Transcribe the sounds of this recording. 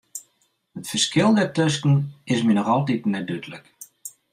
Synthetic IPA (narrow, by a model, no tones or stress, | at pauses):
ətfəskɪlˠdɛtøskn̩ɪsminɔxɔlˠtitnɛdøtlək